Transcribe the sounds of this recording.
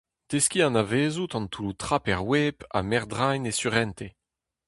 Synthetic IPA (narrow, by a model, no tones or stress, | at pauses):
t̪eskʲiɑ̃naveːzut̪ɑ̃nt̪ʰuut̪χapɛʁweːpa̰mɛʁd̪ʁajnesyʁɛnt̪e